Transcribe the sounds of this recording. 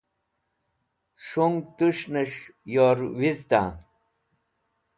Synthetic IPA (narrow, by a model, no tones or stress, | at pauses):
ʂoŋɡt̪uʂnɐʂjoːɾwizt̪a̰